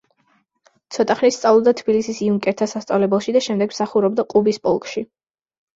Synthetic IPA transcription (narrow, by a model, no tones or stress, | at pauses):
t̪sʰɔt̪ʼaχnist̪sʼavlˠɔbd̪at̪ʰbilisisiuŋkʼɛɾt̪ʰasast̪sʼavlɛbɛlˠʃid̪aʃɛmd̪ɛɡmsaχuɾɔb̚d̪aqʼubispʼɔlˠkʼʃi